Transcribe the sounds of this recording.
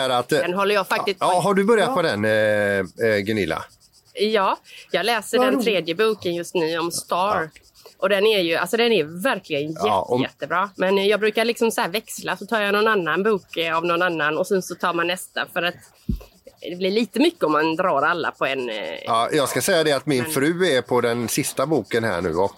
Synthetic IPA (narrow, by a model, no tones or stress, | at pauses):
æɾat̪ɛnɦɔlːəjɑfak̚t̪ɪst̪ːɦaɖɵbœɾjat̪pʰɛd̪ɛn | ɡɛnɪ̰lːa̰ | jɑːjɑːɡlɛːsəɖɛnt̪ʰɾeːd̪jəbuːkənjɵst̪nʉ̟ːɔmst̪ɑːɾ | ʔɔd̪ɛnæɾjɵa̰lsɔd̪ɛnævæɾklɪɡənjɛɔɛt̪ːəbɾɑːmɛnjɑːɡbɾʉ̟ːkaɭɪksɔmsɔhæːɾvɛkslasɔt̪ʰɑːɾjanɔnanːanbuːkavnɔnanːanɔsɛnsɔt̪ʰɑːɾmanːɛst̪a̰fœɾat̪ | d̪ɛblɪɭiːt̪əmʏkːəɔmːand̪ɾɑːɾalːa̰pʰɔɛnɑːjɑːɡskasɛjːad̪ɛat̪mɪnfɾʉ̟ːɛɾpʰɔd̪ɛnsɪst̪abuːkənɦæ̰ːɳʉ̟̰ːɔ